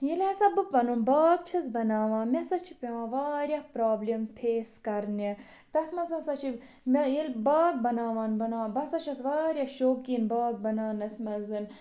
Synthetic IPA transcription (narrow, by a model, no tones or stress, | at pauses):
jilaːsɐbɨpɐnunbaːɡ̚t͡ʃʰɐsbɐnaːʋãːnmesɐt͡ʃʰipʲeʋãːʋaːɾʲjapɾaːblʲimpʰeːskɐɾne | t̪ɐt̪ʰmɐsɐsɐt͡ʃʰi | mjilbaːɡ̚bɐnaːʋaːnbɐnaːbɐsɐt͡ʃʰɐsʋaːɾjaʃoːkiːnbaːɡ̚bɐnaːnɐsʲmɐzɨn